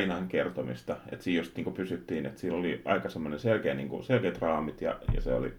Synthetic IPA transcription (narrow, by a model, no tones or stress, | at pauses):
inɑŋkert̪omḭst̪ɑḛt̪siːjjost̪niːŋkupysyt̪ːiːnet̪siːlːoliɑ̰ikɑsemːoneselkeːnḭːŋkṵselkeːt̪rɑːmit̪jɑ̰jɑ̰seo̰lḭ